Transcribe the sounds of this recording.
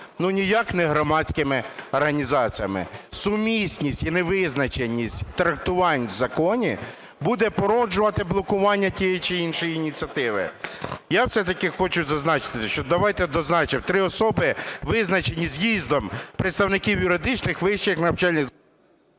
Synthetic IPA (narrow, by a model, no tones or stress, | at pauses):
nunʲijɑknɛɦɾɔmɑt͡sʲkɪmɪɔrɦɐnʲizɑt͡sʲijɐmɪ̰sʊmʲisʲnʲisʲtʲinɛʋɪznɐt͡ʃenʲːisʲtʲt̪ɾɐk̚t̪ʊʋɑnʲzɐkɔnʲi | bud̪ɛpɔɾɔd͡ʒʊʋɐt̪ɪblˠɔkʊʋɑnʲːɐtʲijɛt͡ʃɪinʃɔjiinʲit͡sʲiɐt̪ɪʋɪ̰jawsɛt̪ɐkɪxɔt͡ʃʊzɐznɑt͡ʃɪ̥t̪ɪʃt͡ʃɔd̪ɐʋɑjt̪ɛd̪ɔznɑt͡ʃɪmt̪ɾɪɔsɔbɪʋɪznɐt͡ʃenʲːizʲjizd̪ɔmpɾet̪st̪ɐwnɪkʲiwjʊɾɪd̪ɪt͡ʃnɪxʋɪʃt͡ʃɪxnɐwt͡ʃɑlʲnʲɪ